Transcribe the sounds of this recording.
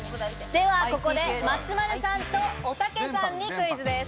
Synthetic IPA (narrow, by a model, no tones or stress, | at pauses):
d̪e̞βako̞kod̪e̞mat͡sɨmaɾɯsãnt̪o̞ːsake̞sãɲ̟ːikɯ̟izɨd̪es